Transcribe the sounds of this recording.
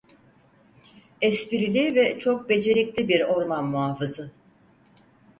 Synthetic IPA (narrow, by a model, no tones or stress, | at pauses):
ɛspiɾilʲivɛt͡ʃʰo̞k̚be̞d͡ʒe̞ɾiclʲibiɾo̞ɾmanmuaːfɯzɯ